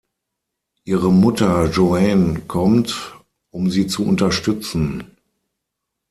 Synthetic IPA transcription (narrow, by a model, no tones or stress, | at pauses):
ʔiːʁəmʊtɐʒoɛnkʰɔmt | ʔʊmziːt͡suʔʊntɐʃtʏt͡sn̩